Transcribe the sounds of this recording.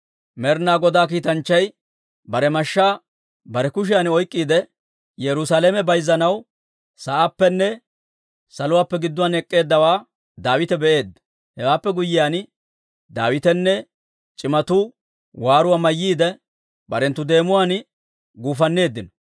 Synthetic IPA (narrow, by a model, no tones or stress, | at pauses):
mɛɾnaːɡɔd̪aːk̬iːt̪ɐnt͡ʃːɐj | bɐɾɛmɐʃːaː | bɐɾɛkʊʃ̬ɪjaːnɔjkʼːiːd̪ɛ | jɛɾʊsaːleːmɛbɐjzːɐnɐw | sɐʔapːɛnːɛ | sɐlʊwaːpːɛɡɪd̪ːʊwanɛkʼːe̞ːd̪ːɐwaː | d̪aːwɪt̪ɛbɛʔe̞ːd̪ːɐ | hɛwaːpːɛɡʊjːɪjaːn | d̪aːwɪt̪ɛnːɛ | t͡ʃʼɪmɐt̪ʊ | waːɾʊwaːmɐjːiːd̪ɛ | bɐ̰ɾɛnt̪ːʊd̪e̞ːmʊwaːn | ɡuːfɐnːe̞ːd̪ːɪnɔ